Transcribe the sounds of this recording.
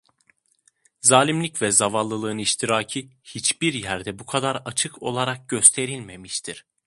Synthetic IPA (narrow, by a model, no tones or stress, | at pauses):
zaːlʲimlʲicvɛzavallˠːɯlˠɯːɯniʃt̪ʰiɾaːcʰihit͡ʃbiɾjæɾd̪ɛbukʰad̪aɾat͡ʃʰɯkʰo̞lˠaɾak̚ɟø̞st̪ʰe̞ɾilʲme̞miʃt̪ʰiɾ̥